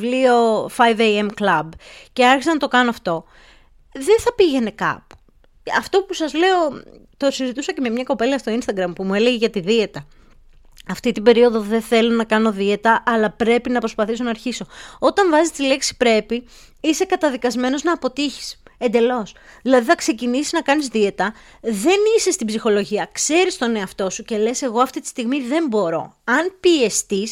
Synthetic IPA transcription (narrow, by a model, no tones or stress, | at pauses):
vlio̞fɐjvejemklɐbce̞ɐɾçisɐnɐt̪o̞kɐnoɐft̪o̞ | ðeθɐpiʝe̞ne̞kɐ̰pu̥ | ɐft̪o̞pusɐzle̞o̞t̪o̞sizit̪usɐce̞me̞mɲɐko̞pe̞liɐst̪o̞inst̪ɐɡɾɐmpumue̞le̞ʝeʝɐt̪iðie̞t̪ɐ | ɐft̪it̪ibe̞ɾio̞ðo̞ðe̞θe̞lo̞nɐkɐno̞ðie̞t̪ɐʔɐlɐpɾe̞pinɐpɾo̞spɐθiso̞nɐːɾçiso̞o̞t̪ɐɱvɐzist̪ile̞ksi̥pɾe̞pi | ise̞kɐt̪ɐðikɐzme̞no̞znɐːpo̞t̪içi̥se̞nd̪e̞lo̞sðilɐðiθɐkse̞cinisiznɐkɐnizðie̞t̪ɐ | ðe̞nise̞st̪ibzixo̞lo̞ʝiɐkse̞ɾist̪o̞ne̞ɐft̪o̞suce̞le̞se̞ɣo̞ɐft̪it̪i̥st̪iɣmiðe̞mbo̞ɾo̞̰ | ɐnpie̞st̪is